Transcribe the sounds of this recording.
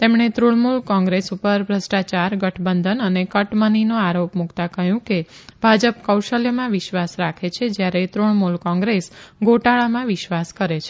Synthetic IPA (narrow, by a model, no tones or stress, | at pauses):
t̪emɳet̪ɾuɭmulkɔ̃ŋɡɾesupəɾbʱɾəsʈat͡ʃaɾɡəʈʰbənd̪ənənekəʈməninõaɾopmukt̪akəɦjũkeb̥ʱad͡ʒəpkəwʃəljəmãʋɪʃʋasɾakʰet͡ʃʰed͡ʒjaɾet̪ɾuɳmulkɔ̃ŋɡɾesɡoʈaɭamãʋɪʃʋaskəɾet͡ʃʰe̥